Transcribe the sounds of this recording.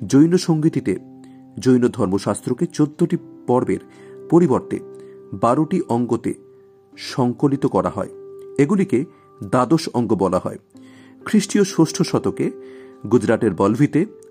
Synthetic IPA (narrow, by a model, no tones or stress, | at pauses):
d͡ʑojnoʃoŋɡit̪it̪e | d͡ʑojnod̪ʱɔɾmoʃast̪ɾoket͡ɕod̪ːoʈipɔɾbḛɾ | poɾiboɾt̪ḛbaɾoʈiʔɔŋɡot̪ḛ | ʃɔŋkolit̪okɔɾa̰ɦɔ̰eeɡulike | d̪ad̪oʃɔŋɡobɔlaɦɔ̰e | kʰɾiʃʈioʃoʃʈʰoʃɔt̪okeɡud͡ʑɾateɾbɔlbʱit̪e